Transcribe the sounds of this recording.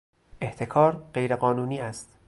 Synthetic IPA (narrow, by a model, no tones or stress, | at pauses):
ʔeht̪ʰe̞kʰɒːɾɢ̥e̞jɾeɣɒːnuːniːæst̪